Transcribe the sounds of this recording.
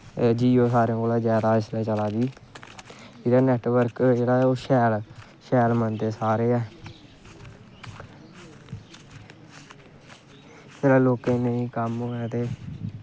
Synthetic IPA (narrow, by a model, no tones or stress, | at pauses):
d͡ʒiːoːsaːɾẽkoːlaːd͡ʒɛːɾaːɪslɛːt͡ʃəlaːɡiː | d͡ʒeːɽaːnɛːʈʋəɾkd͡ʒeːɽaːoːʃɛːl | ʃɛːlmənt̪eːsaːɾeːɛː | d͡ʒeːɾaːloːkẽnəĩːkəmoːɛːt̪eː